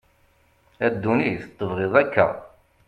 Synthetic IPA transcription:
æd̪ːuniθt̪ˤːəvʁɪðˤækːə̰

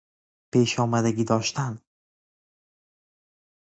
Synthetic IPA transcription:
peːʃɒːmæd̪æɡʲiːd̪ɒːʃt̪æn

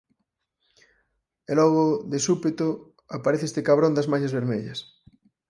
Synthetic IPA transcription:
elɔɣoðesupet̪o | apaɾeθest̪ekaβ̞ɾond̪azmaʃazβeɾmeʎɐ̰s

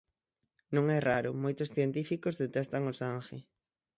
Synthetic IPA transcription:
nõŋɛraɾʊmojt̪ʊsθjent̪ifikozðet̪ɛst̪aŋosaŋxe

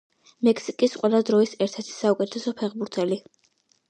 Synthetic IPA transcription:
mɛkʰsikʼisqʼwɛlˠad̪ɾɔisɛɾt̪ʰɛɾt̪ʰi̥saukʼɛt̪ʰɛsɔpʰɛʁbuɾt̪ʰɛli

